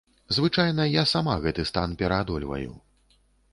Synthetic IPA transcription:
zvɨt͡ʂajnɐjasamaɣɛt̪ɨst̪anpʲɛɾɐad̪ɔlʲvɐ̰jṵ

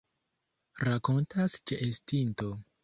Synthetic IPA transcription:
ɾako̞ntʰast͡ʃeʔestinto̞

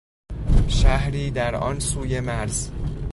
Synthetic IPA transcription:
ʃæhɾiːd̪æɾɒ̰ːnsuːjemæɾz̥

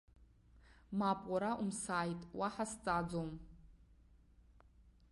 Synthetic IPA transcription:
mapʼwaɾaʔumsaːjtʼwaħast͡sʼad͡zom

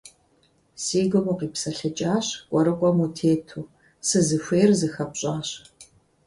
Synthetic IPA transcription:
siːɡɨmuːqiːpsɐɬɨt͡ʃʼaːɕkʷʼɔɾɨkʷʼɔmutʰeːtʰuː | sɨzɨɕʷeːrzɨxɐpɕʼaːɕ

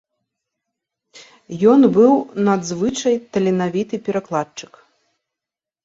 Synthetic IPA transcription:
jɔnbɨwnad̪zvɨt͡ʂɐjt̪ɐlʲɛnavʲit̪ɨpʲɛɾaklˠat͡ʂɨ̥k

